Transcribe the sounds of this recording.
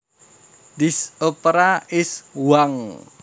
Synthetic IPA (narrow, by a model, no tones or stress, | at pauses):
d̪isopɾaɪswaŋ